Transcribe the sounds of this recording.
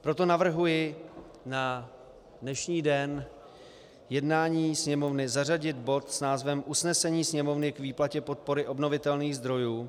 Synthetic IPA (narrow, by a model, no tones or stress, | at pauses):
pɾo̞t̪o̞navr̩ɦujɪ | na | dnɛʃɲiːdɛn | jɛdnaːɲiːsɲɛmo̞vnɪzar̝aɟɪt̪bo̞t̪snaːzvɛmʔusnɛsɛɲiːsɲɛmo̞vnɪkviːplacɛpo̞t̪̚po̞ɾɪʔo̞bno̞vɪt̪ɛlniːɣzd̪ɾo̞juː